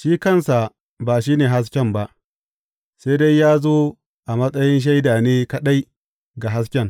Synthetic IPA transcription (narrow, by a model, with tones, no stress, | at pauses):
ʃiː˦kɐ˦˨nsa˨ | ba˨ʃiː˦neː˨ɦa˦s̬kʲɛ˦mba˦ʔ | sa˦da˦jːaː˦zoː˦ | ʔa˨mɐ˦sʼɐ˦jɪ˦nʃ̬a˦jdaː˨neː˦kɐ˦ɗa˦j | ɡa˨ɦa˦s̬kʲɛ˦ŋ